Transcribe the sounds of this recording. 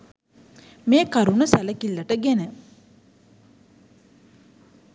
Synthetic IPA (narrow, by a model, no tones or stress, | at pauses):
meːkaɾunəsæləkilːəʈəɡenə